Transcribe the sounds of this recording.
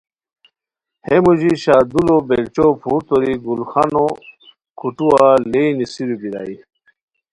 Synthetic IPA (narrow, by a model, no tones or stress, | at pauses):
hemuʑiɕaːd̪ulobelt͡ɕopʰuːt̪oɾiɡulxano | kʰuʈuwaleinisiɾubiɾa̰ːi